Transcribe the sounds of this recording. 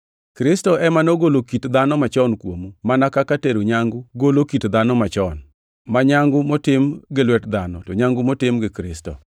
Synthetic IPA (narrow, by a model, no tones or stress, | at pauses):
kɾɪstɔʔɛmanoɡolokitd̪anɔmat͡ʃɔnkwomumanakakateɾuɲaŋɡʊɡolokitd̪anɔmat͡ʃɔn | maɲaŋɡʊmotɪmɡɪlwɛtd̪anɔtɔɲaŋɡʊmotɪmɡɪkɾɪstɔ̰